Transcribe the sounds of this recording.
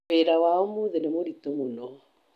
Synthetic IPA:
eɾawaomuðenemoɾitomunɔ

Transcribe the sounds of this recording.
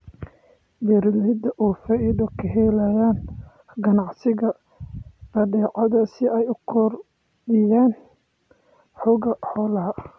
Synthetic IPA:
bɛɾlɪd̪ɐʔuːfɐɪd̪ɔkʰɐɦɛlajaːn | ɡɐnɑʕsɪɣɐ | b̥ɐɖɛːʔɑðɐsɪɛjʊkʰɔr | bɪjaːn | ħʊɣɐħɔːlɐɦɐ

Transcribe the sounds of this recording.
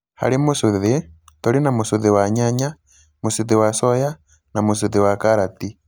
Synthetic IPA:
ha̰limusuðitɔlinamusuðiwaɲaɲa | musuðiwasɔja | namus̬uðiwakaɾati

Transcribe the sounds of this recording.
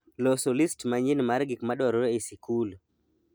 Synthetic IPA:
lɔsɔlistmaɲinmaɾɡikmaɗwaɾɔɾesikul

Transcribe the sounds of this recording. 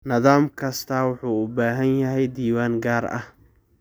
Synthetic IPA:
nɐðaːmkʰɐst̪ʰɐwʊħuːʊbaːɦɐnjɐɦɛjd̪iːwaːŋɡaːrɐ̰h

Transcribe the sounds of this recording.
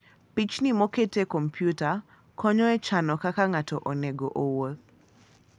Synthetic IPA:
pit͡ʃnimoketekɔmpʰjuta | kʰɔɲɔɛt͡ʃanɔkakaŋatɔʔoneɡoʔowo

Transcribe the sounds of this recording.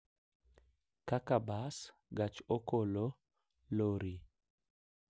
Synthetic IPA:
kakabas | ɡat͡ʃokolo | loɾi

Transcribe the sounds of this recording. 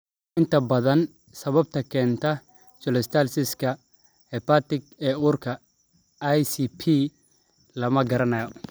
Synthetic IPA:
ɪnt̪ɐbɐðɐn | sɐβɐb̚t̪ɐkɛːnt̪ɐ | t͡ʃɔlɛst̪alsɪskɐ | hɛpat̪ɪkɛːʊɾkɐ | ajsipʰi | lɐmɐɡɐɾɐnɐjɔ

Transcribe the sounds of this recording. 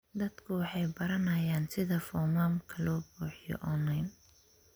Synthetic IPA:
d̪ɐd̪kʰʊwɑħɑjbɐɾɐnɐjaːnsɪðɐfɔmaːmkʰɐlɔːbuːħɪjɔ̰ʔɔnɐjn

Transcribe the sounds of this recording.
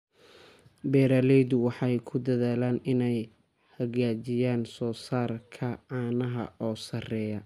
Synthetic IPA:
bɛːɾaːlɛjðʊwɑħɑjkʰʊd̪ɐðaːlaːnɪnɛj | hɐɣaːt͡ʃɪjaːnsɔːsaːrkʰɐaːnɐɦɐ̰ɔːsɐrɛːjɐ

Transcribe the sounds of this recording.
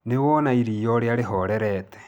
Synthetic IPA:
newɔnaiɾijɔɾeaɾeɦɔɾɛɾɛtɛ̥

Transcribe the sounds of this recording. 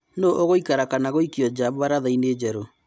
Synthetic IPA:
noʔoɣoikaɾakanaɣoikiɔd͡ʒaβaɾaðaineːd͡ʑɛɾo

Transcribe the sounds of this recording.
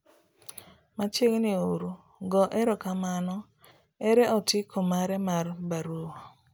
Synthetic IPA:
mat͡ʃeɡnioɾu | ɡɔʔɛɾɔkamanɔ | ɛɾɛʔɔtɪkʰomaɾɛmarbaɾua

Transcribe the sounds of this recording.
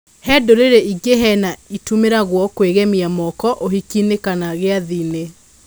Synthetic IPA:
hɛːdoɾeɾeiɡeɦɛnaitumeɾaɣwɔkweɣɛmiamɔkɔʔoɦikinekanaɣeaðine

